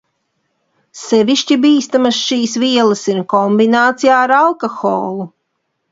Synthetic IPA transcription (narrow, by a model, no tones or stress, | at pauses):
sɛviʃcibiːst̪amasʃiːsviɛlˠɐsiɾkɔmbinaːt̪sijaːɾalˠkɔxo̰ːlˠu